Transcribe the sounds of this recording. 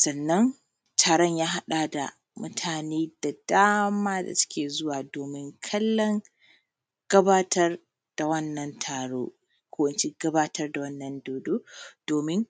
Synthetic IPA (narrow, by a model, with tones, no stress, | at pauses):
sɐ˨nːɐ˦ŋ | tʰaː˨ɽɔ˦ɲjaː˦ɦa˦ɗa˨da̰˨ | mʊ˦tʰaː˨neː˦d̥a˨daː˦maː˦da̰˨sɪ̥˦kʲʰeː˨zʊ˦waː˨doː˨mɪ˦ŋkʰɐ˦lːɐ˦ŋ | ɡ̥ɐ˦baː˦tɐ˦r | d̥a˨wɐ˦nːɐ˨ntʰaː˨ɽoː˦ | kʷʰoː˦wɐ˨nt͡ʃe˦ɡɐ˦baː˦tʰɐ˦rda˨wɐ˦nːɐ˨ndoː˨doː˦d̥oː˨mɪ˦ŋ